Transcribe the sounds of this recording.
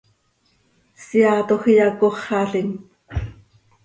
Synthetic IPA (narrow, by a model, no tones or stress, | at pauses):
siɑːt̪oxijɑkoχːɑɬiŋ